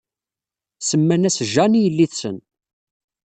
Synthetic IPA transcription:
səmːænæsʒænijəlːiθsən

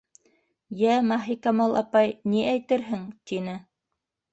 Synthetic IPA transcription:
jæmɑɦikɑmɑlˠʔɑ̰pɑjniʔæjt̪ɘɾɦɘŋt̪inɘ

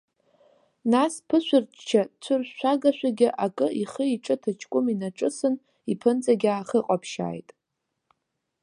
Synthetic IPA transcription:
naspʰɨʃʷʊrt͡ʃt͡ʃʰat͡sʷʰɨrʃʷᶣaɡaʃʷᶣaɡʲɪʔakʼɨʔiχəiʈ͡ʂʼɨtʰɨt͡ʃʰkʷʼʊminaʈ͡ʂʼɨsɨn | ipʰɨnt͡sʼaɡʲaːχəqʼapʰʃa̰ːjtʼ

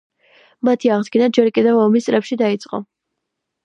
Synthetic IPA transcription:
mat̪ʰiaʁd̪ɡinad͡ʒɛɾkʼid̪ɛvɔmist̪sʼɾɛpʃid̪ait̪sʼqʼɔ̰

